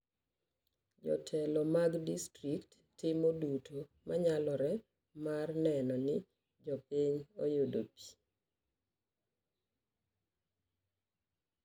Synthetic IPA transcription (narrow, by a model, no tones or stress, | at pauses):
d͡ʒɔ̰tʰɛlɔmaɡdistɾiktːɪmodutʰomaɲalɔɾɛ | marnɛnɔnɪ | d͡ʒɔpiɲojodopi̥